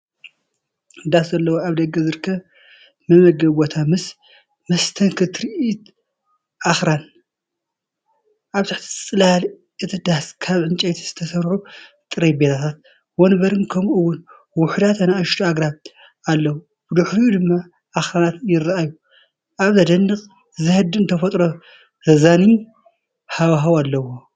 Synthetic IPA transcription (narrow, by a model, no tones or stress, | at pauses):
d̪aszɐlːɐwoaβd̪ɐɡːɐzɨɾkʰːɐβ | mɐmɐɡɐβot̪ʰamɨs | mɐst̪ʰɐŋkʰɨt̪ʰɾiʔit̪ | ʔaxɾan | ʔaβt̪ʰaħt̪ʰi̥sʼɨlhal | ʔɨt̪ʰɨd̪askʰaβʕɨnt͡ʃʼet̪ʰi̥z̥ɨt̪ʰɐsɐɾħu | t̪ʼɨɾɐjbet̪ʰat̪ʰat̪̚ | wonbɐɾɨnkʰɐmʔɨwːʊn | wʊħd̪at̪ʰɐnaʔɐʃt̪ʰuaɡɾaβ | alːɐw | b̥ɨd̪ɨħɾijud̪ɨmːa | ʔaxɾanat̪jɪraʔaju | ʔaβzɐd̪ɐnːɨqʼ | zɨhɨd̪ɨɨnt̪ʰɐfɐt̪ʼɾo̞ | hɨzani | hawɦawalːɐwo